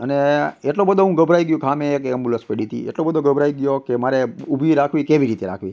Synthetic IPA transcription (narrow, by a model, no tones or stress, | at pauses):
əneeʈlobəd̪ʱoɦũɡəbʱɾaiɡjũkʰamẽekəmbuləspeɽit̪ʰḭḛʈlobəd̪ʱoɡəbʱɾajɡjokemaɾeubʱiɾakʰʋikeʋiɾit̪eɾa̰kʰʋi